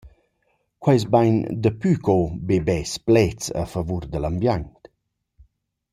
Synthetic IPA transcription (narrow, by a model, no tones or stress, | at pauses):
kwajs̬bajnd̪əpykʰɔbebɛsplɛt͡sə̰fəvurd̪əlambjaɲt̪